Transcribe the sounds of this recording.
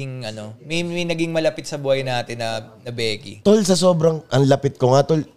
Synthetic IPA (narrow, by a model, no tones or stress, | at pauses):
ɪŋʔɐno̞mɐmɐjnɐɡɪŋmɐlɐpɪt̪sɐbuːhɐjnaːt̪ɪnːɐnɐbɛːɡɪ̰t̪olsɐso̞ːbɾɐŋʔɐŋlɐpɪt̪̚koŋat̪ol